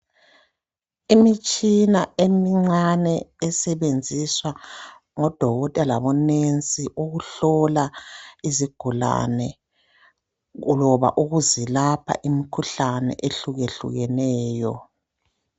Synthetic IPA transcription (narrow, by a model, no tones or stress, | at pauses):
imit͡ʃʼinaemiŋ͡ǀanɛːsɛβend͡zʱiswa | ŋɔd̥ʱɔɣɔtʼɛlaβɔnent͡sʼiʔuɣuɬɔlaiziɡ̥ʱula̰nɛ | ulɔβa̰ʔuɣuzilapʰa̰ʔimikʰuɬanɛ̰ʔeɬuɣeɬṵɣɛnɛːjɔ̰